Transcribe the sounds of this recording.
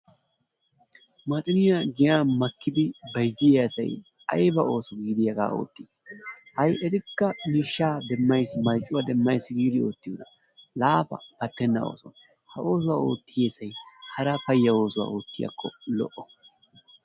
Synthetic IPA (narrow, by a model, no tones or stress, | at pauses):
mɐt̪ʼɪnɪjaɡɪjaːmɐkːɪd̪ɪbɐjd͡ʒɪjeɐsɐ̰j | ɐ̰jbɐʔo̞ːsɔɡiːd̪ɪjɐɡa̰ːo̰ːt̪ːi | hɐjɛt̪ɪkːɐmiːʃːaːd̪ɛmːɐjsmɐjt͡ʃʼːʊwɐd̪ɛmːɐjsɡiːd̪ɪo̞̰ːt̪ːɪjʊnɐ | laːfɐ̰b̥ɐt̪ːɛnːɐ̰o̰ːsɔn | hɐʔo̞ːs̬ʊwaːo̞̰ːt̪ːɪjeːsɐjhɐɾɐpɐjːɐo̞ːsʊwa̰ːo̞ːt̪ːɪjɐ̰kʰːɔ̰lɔ̰ʔɔ